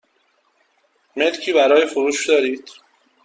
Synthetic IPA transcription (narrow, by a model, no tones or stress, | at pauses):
melcʰiːbæɾɒːjexoɾuːʃd̪ɒːɾiːd̪̥